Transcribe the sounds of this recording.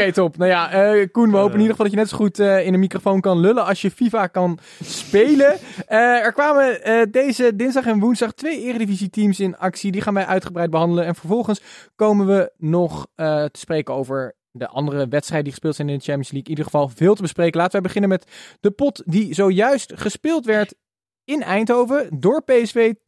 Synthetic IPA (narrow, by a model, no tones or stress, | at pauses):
ejtɔpnajaəkunʋəɦowənɪnidəfɑlˠdɑcjənɛtsoχutːɪnənmikrofownkɑnlɵləɑlˠsjəfivakɑn | spejləəɛɹkʋaːmədejzədɪnzdɑχɛnʋunzdɑχtʋejɪːrdivizitimsɪnɑksidiχaːnʋɛjʔœɥtχəbrɛjd̚bəɦɑndələnɛnvəɹvɔlˠχənskowmənʋənɔχətə̥sprejkəowvəɹ | dəʔɑ̰ndərəʋɛtstrɛjdədiχə̥spɪːlˠtsɛjnɪndət͡ʃɛmpiənslikɪnidəχəvɑlˠvɪːlˠtəbəsprejkəlaːtəʋəbəχɪnənmɛtd̥əpɔtdizowjœɥstχəspɪːlˠtʋɛɹt | ɪnɛjntɦowvədʊːɹpejɛsfej